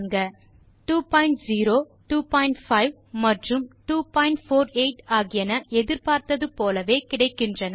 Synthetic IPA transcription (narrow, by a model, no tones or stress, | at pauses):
ŋɡɐ | ʈuːpɐːɪɳʈziːɾoː | ʈuːpɔːɪɳʈfɐɪʋ | mɐʈrɯmʈuːpɔːɪɳʈfoːɾeɪʈaːɣɪjɐnɐʔɛðɪɾpaːɾt̪ɐðɯpoːlɐʋeːkɪɽɐɪkːɪndrɐnɐ